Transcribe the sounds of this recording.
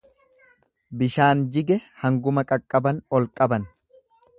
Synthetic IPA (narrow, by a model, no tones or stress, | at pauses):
bɪʃaːnd͡ʒɪɡɛhɐŋɡʊmɐkʼɐkʼːɐbɐnɔlkʼɐbɐn